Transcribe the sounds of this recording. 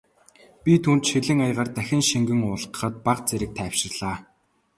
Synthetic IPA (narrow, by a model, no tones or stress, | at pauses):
pʲit̪ʰuːnt̪ʃiɮɘ̆ŋajʁə̆rt̪æxʲɪ̆nʃiŋɡɘ̆ŋʊːɮ̆qə̥̆χə̆t̪̚paqt͡seɾɘ̆k̚t̪ʰæwʃɪ̆rɮaː